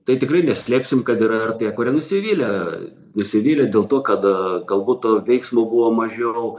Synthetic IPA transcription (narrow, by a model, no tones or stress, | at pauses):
t̪ɐɪtʲɪkrɐɪnʲɛsʲlʲæːpʲsʲɪmkɐt̪ɪɾɐɪrt̪ɐɐkoːɾʲɛnʊsʲɪʋʲiːlʲɛ | nʊsʲɪʋʲiːlʲɛd̪ʲeːlˠt̪oːkɐt̪ɡɐlˠbuːt̪toʋʲɛɪksmoːbuʋoːmɐʒʲɛʊ